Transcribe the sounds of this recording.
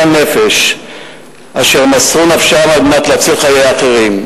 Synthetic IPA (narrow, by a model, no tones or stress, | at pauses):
anefeʃ | aʃe̞ʁmasʁunafʃamaɡnat̪laat͡silχajejaχeʁim